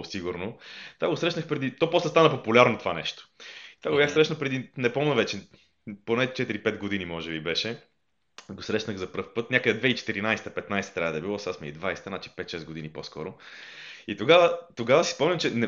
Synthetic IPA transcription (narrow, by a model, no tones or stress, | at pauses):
siɡʊɾnot̪ovaɡosɾɛʃnəxpɾɛd̪it̪ɔpɔslɛst̪anɐpopulʲaɾnot̪ova̰nɛʃt̪o̥it̪ovaɡobjaxsɾɛʃnɐpɾɛd̪inɛpɔmnɐvɛt͡ʃɛ | ponɛt͡ʃɛt̪iɾipɛt̪ɡod̪inimɔʒɛbibɛʃɛ | ɡosɾɛʃnəɣzɐpɾɤfpɤt̪nʲakəd̪ɛd̪vɛit͡ʃɛ̥t̪iɾinajsɛt̪ɐpɛt̪najsɛ̥t̪ɾʲavəd̪ɐɛbilˠɔsasmiɛd̪vajsɛ̥t̪ənat͡ʃi̥pɛt̪ʃɛzɡod̪iniposkɔ̰ɾo | it̪oɡavət̪oɡavəsi̥spɔmlʲɐmt͡ʃɛnɛ